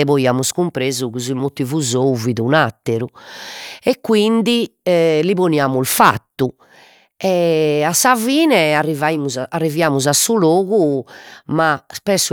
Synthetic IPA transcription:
ɛβoiaːmuskumpɾeːzuɣuzilmot̪ːivuzouviðunat̪ːeɾu | ɛkːwind̪iliβoniaːmulfa̰t̪ːu | ɛasːaviːnɛarːivaimuzaarːivjaːmuzasuloːɣu | maspɛsːu

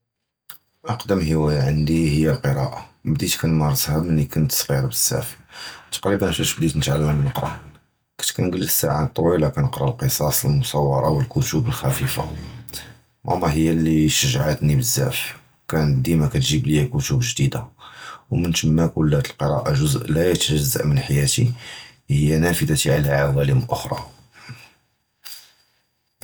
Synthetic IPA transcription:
ʔɑqd̪əmhəwæjaʕənd̪ihəjːælqəɾˤɑʔabd̪it̪kænmɑɾˤzhæbmənːikʊnət̪sˤɣiɾbəz̥ːæ̰ft̪qlibænfæʃbd̪it̪nət̪ʕalːəmnəqɾˤɑ̰ | kæ̥t̪kænɡəlːsːa̰ʕat̪ˤːwilakænəqɾˤɑlqəsˤɑsˤəlmʊsˤɑwːɑ̰ɾˤɑ̰wəlkut̪ubəlxæfifa̰ | ʔɑ̰nˤːɑɦəjːæliʃəʒʕat̪nibəzːæ̰fwkænd̪imækæt̪ʒiblijækʊt̪ubʒd̪id̪awmənt̪əmːækʊlːhæt̪əlqəɾˤɑ̰ʔaʒʊzʔlæjt̪ʒəzːə̰ʔmənħajæt̪ihəjːænæfəd̪at̪iʕalæʕawæləmʔʊxɾˤɑ̰

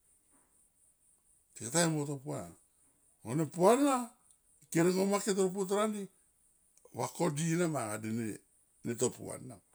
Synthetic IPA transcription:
tikataemotopuana | onepuanːa | keɾeŋomaket̬oɾop̬ut̬aɾandi | βakodinamaŋadene | netopṵa̰na

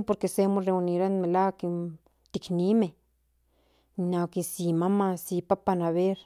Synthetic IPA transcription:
poɾkesemoreuniɾanmelaki | t̪iknime | nakisimamãsipapanaβeɾ

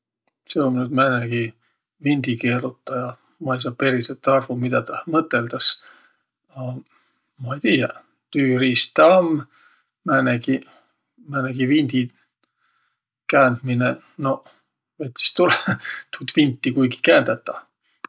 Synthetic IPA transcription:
seomnyd̪mæneɡ̥i | vinʲd̪ikeːɾut̪ːˑɑjɑ | mɑejs̬ɑːpe̞ɾiset̪ːɑrvumid̪̥ɑt̪ɑmɤt̪ːˑe̞ld̪ɑs | ɑ | mɑejt̪iːjɑ | t̪yːriːst̪ɑɑmː | mæneɡi | mæneɡ̥ivind̪̥i | kæːnd̪̥mine | no̞ | vet̪ʲːˑi̥st̪ulet̪ut̪vint̪ːikujɡi̥kæːnd̪̥ɑt̪ːˑɑ

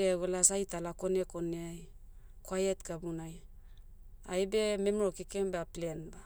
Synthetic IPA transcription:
eɡolasajtalako̞neko̞neaj | kwajetɡabunaj | ajbememɾokikembeaplenba

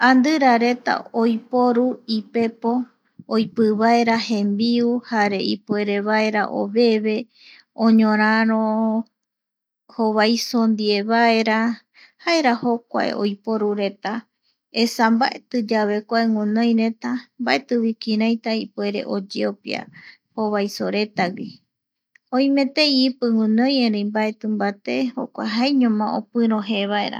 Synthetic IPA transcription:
ãnd̪ɨɾaɾe̞t̪a̰ojpoɾuipe̞po̞ː | jpɨβaeɾahẽ̞mbiuhaɾe̞ipwe̞ɾe̞βae̞ɾa̰ʔo̰βe̞βe̞ | õɲõɾ̃ãɾ̃õ | hoβajsond̪ie̞βae̞ɾa | haeɾahok̚ʷa̰ḛʔo̰jpoɾuɾe̞t̪a | esambaʔet̪ɨd͡ʒaβe̞kʷaeŋũnõj̃ɾe̞t̪ambaʔe̞t̪ɨβikiɾãjt̪aipwe̞ɾe̞̰ʔod͡ʒeopja̰ | hoβajsoɾe̞t̪awi | õĩmẽt̪eipɨŋũnõjẽɾẽjmbae̞t̪ɨmbat̪eho̰kʷa̰ɦaeɲõmão̰pɨ̃ɾõɦeβaeɾa̰

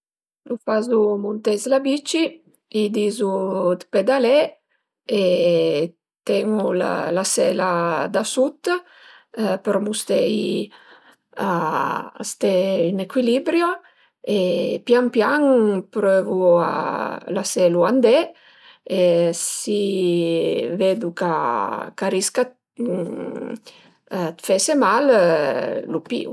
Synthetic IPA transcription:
lufazumunt̪ɛzlabit͡ʃi | id̪izud̪ped̪alɛ | e | t̪ɛŋula̰lasɛlad̪asut̪ | pəɾmust̪ɛj | aast̪ɛynekwilibɾjo | epjaŋpjaŋpɾøvua̰laseluand̪e | esi | ved̪ukakaɾiska | t̪fesemal | lupḭṵ

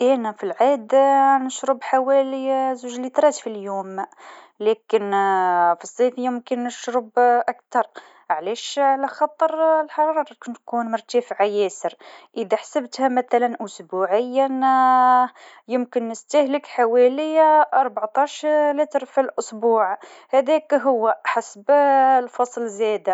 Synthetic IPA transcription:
ʔænæfilʕid̪nəʃɾəbħawæləzuʒlit̪ɾˤɑt̪filjum | lækənfisˤːifjəmkənːəʃɾəbʔæk̚t̪ɑɾˤ | ʕlæʃʕlæxɑt̪ˤːəɾˤlħɑɾˤɑɾˤɑɾˤkʊnt̪kunmʊɾˤt̪æfʕajæsəɾʔəd̪æħḁsəbt̪hæmæt̪ælænʔʊsbuʕəjːan | jəmkənːəst̪æhləkħawæləjaɑɾˤbɑʕt̪ˤɑʃɾlət̪ɾˤfilʔʊsbuʕhæd̪ækɦʊwːæħasblfɑsˤlzæd̪a

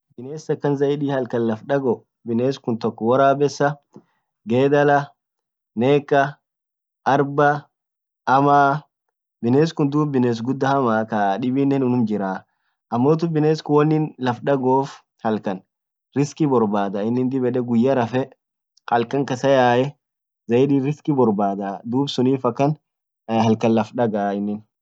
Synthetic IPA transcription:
bɪneːsɐkːɐnzɐʔɪᶑiːhɐlkɐnlɐfᶑɐɡɔ | bɪneːskʊnt̪ɔkːɔwɐɾaːbɛsːɐ | ɡeːd̪ɐlɐ | neːkːɐ | ʔɐɾbɐ | ɐmaː | bɪneːs̬kʊnd̪uːbɪneːs̬ɡʊd̪ːɐhɐmaːkɐᶑɪbɪnːɛnʊnʊmd͡ʒɪɾaː | ʔɐmːoːt̪̬ʊbɪneːskʊwɐnːɪnlɐfᶑɐɡoːf | hɐlkɐn | ɾɪskɪbɔɾbaːd̪ɐɪnːɪnd̪ɪbɛᶑɛɡʊjːɐɾɐfɛ | kʼɐlkɐŋkɐsɐjaːʔɛ | zɐjdiːɾɪskɪbɔɾbaːd̪ad̪uːbsʊniːfɐkːɐn | hɐlkɐnlɐfᶑɐɡaːɪnːɪn

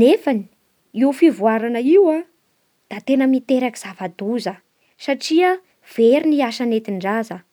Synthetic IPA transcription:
nefani̥ | iufivuaɾanəiwa | d̪̥at̪enəmit̪eɾaki̥z̥avad̪uzə | saʈ͡ʂiə | v̥eɾiniaʃanet̪iɳɖ͡ʐazə

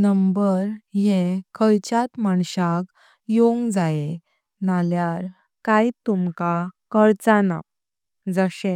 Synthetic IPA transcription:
nəmbəɾjẽkʰəɭt͡ɕat̪maɳɕak | joŋɡd͡zaje | naljaɾ | kajt̪umkakəɾt͡sana̰ | d͡zəɕẽ

